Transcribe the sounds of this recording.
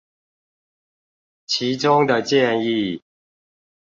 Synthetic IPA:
t͡ɕʰi˨˦ʈ͡ʂʊ˦ŋd̪ə˨t͡ɕjɛ˥˨ni˥˨

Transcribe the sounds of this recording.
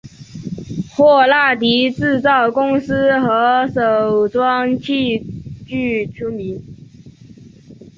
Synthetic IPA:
xwɔ˥˧la˥˩t̪i˧˥t͡sɻ̩˥˧t͡sɑ˥˩ʊkʊ˥ŋs̩˥xɤ˧˥ʂo˨˩ʊʈ͡ʂwɑ˥ŋt͡ɕʰi˥˧t͡ɕy˥˧ʈ͡ʂʰu˥mi˧˥n

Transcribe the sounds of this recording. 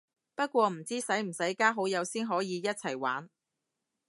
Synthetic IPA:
pɐ˥t̚kʷɔː˧m̩˨˩t͡siː˥sɐ˨˥jm̩˨˩sɐ˨˥jkaː˥ɦo˨˥wjɐ˨˧wsiː˥nɦɔː˨˥jiː˨˧jɐ˥t̚t͡sʰɐ˨˩jwa̰ː˨˥n

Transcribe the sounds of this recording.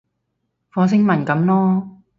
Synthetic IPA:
fɔː˨˥s̬ɪ˥ŋmɐ˨˩nkɐ˨˥mlɔː˥

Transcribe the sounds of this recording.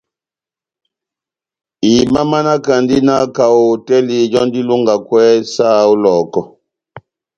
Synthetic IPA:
i˨ma˦ma˦na˦ka˨ndi˦na˦ka˨o˨tɛ˦li˨d͡ʒɔ˦n˦di˦lu˦ŋɡa˨kwɛ˦sa˦˨u˦lɔː˨kɔ˨

